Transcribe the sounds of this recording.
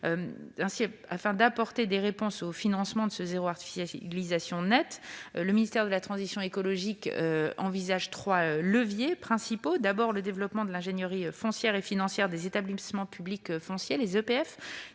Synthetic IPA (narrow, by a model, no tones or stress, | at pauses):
øɛ̃sia̰fɛ̃d̪apɔʁt̪ed̪eʁepɔ̃sofinɑ̃smɑ̃d̪əsəzeʁoaʁt̪i̥fi̥slizasjɔ̃nɛt̪ləminist̪ɛʁd̪əlat̪χɑ̃zisjɔ̃ekɔlɔʒikøɑ̃vizaʒt̪χwaøləvjepχɛ̃sipod̪abɔʁləd̪evlɔpmɑ̃d̪əlɛ̃ʒenjəʁifɔ̃sjɛʁefinɑ̃sjɛʁd̪ezet̪ablismɑ̃pʰyblikøfɔ̃sjelezøpeɛf